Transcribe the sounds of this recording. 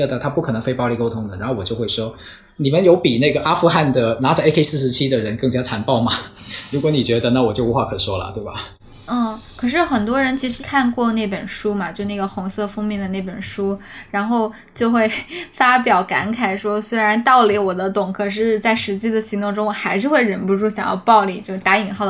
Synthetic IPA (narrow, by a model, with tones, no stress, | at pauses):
ə˥˩d̪ə˨˩t̪ʰa˥pu˥˩kʰɤ˨˩nɤ˧˥ŋfe˥ɪpʊli˧˩ko˥ʊt̪ʰʊ˧˥ŋd̪ə˨ɻa˧˥nxwɔ˨˩t͡ɕjo˥˧ʊxwe˥˩ɪʂwɔ˥ | ni˨˩mə˦njo˧˥ʊpi˨˩ne˥˩ɡə˩ʔa˥fu˥˧xa˥˩nd̪ə˩na˧˥t͡se˥kʰe˥ɪsɹ̩˥˩ʂɻ̩˧˥t͡ɕʰi˥d̪ə˨ɻə˧˥nkɤ˥˩ŋt͡ɕja˥t͡sʰa˧˥npɑ˥˩ʊmɐ˩ɻu˧˥kwɔ˧˥ni˨˩t͡ɕɥɛ˧˥d̪ə˧na˥˩wɔ˨˩t͡ɕjo˥˩ʊ˧˥xwa˥˩kʰɤ˨˩ʂwɔ˥lə̰˨t̪we˥˩ɪbɐ̰˩˥˩ | kʰɤ˨˩ʂ̬ɻ̩˥˩xə˨˩nt̪wɔ˥ɻə˧˥nt͡ɕʰi˧˥ʂɻ̩˧˥kʰa˥˧nkwɔ˥˧ne˥˩ɪpə˨˩nʂu˥mɐ˨t͡ɕjo˥˧n˥˩ɡə˩xʊ˧˥ŋsɤ˥˩fʊ˥ŋmi˧˥ŋd̪ə˩ne˥˩pə˨˩nʂu˥ɻa˧˥nxo˥˧ʊ | t͡ɕjo˥˧ʊxwe˥˩ɪfa˥pjɑ˨˩ʊka̰˧˥nkʰa˨˩ɪʂwɔ˥swe˥ɪɻa˧˥nt̪ɑ˥˩ʊli˧˥wɔ˨˩d̪ə˦t̪ʊ˨˩ŋkʰɤ˨˩ʂ̬ɻ̩˥˧t͡sa˥˩ɪʂɻ̩˧˥t͡ɕi˥d̪ə˨ɕi˧˥t̪ʊ˥˧ŋʈ͡ʂʊ˥ŋwɔ˨˩xa˧˥ɪʂɻ̩˥˧xwe˥˩ɪɻə˧˥npu˧ʈ͡ʂu˥˩ɕjɑ˨˩ŋjɑ̰˥˧ʊpɑ˥˧ʊli˥˩t͡ɕjo˥˧ʊ˩t̪a˧˥i˨˩ŋxɑ˥˩ʊ˩